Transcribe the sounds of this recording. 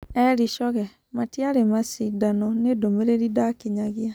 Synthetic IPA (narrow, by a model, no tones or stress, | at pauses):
ɛɾiʃɔɣɛ | matiaɾemasidanɔnedomeɾeɾidakiɲaɣia